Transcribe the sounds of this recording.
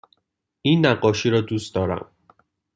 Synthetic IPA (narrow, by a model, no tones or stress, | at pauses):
ʔiːnːæɢɒːʃiːɾɒːd̪uːst̪d̪ɒːɾæ̰m